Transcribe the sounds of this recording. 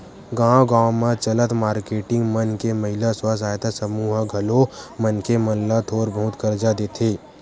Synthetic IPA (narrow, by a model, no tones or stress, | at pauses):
ɡãːwɡãːmãt͡ʃɐlət̪maːɾkeːʈɪ̃ŋɡmənkemɐɦɪlaswas̬aːjt̪asəmuːɦɡʱɐlomənkemɐllat̪ʰoːɾbəɦʊt̪kɐɾd͡ʒad̪eːt̪ʰeː